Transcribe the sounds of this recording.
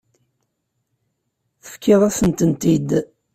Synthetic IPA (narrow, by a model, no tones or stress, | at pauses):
θə̥fkːɪðˤæsənt̪ənt̪id̪